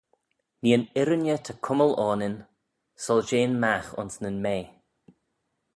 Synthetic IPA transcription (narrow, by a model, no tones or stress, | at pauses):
niːənɪɾənjətʰəkʰʊməlɔːnɪn | sɔld͡ʒeːnmaxʊ̰nsnənmeː